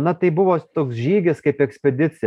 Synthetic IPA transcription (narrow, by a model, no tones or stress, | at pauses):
nɐt̪ɐɪbʊʋoːt̪oːksʒʲiːɡʲɪskɐɪpɛksʲpʲɛd̪ʲɪt̪t͡s̪ʲɪj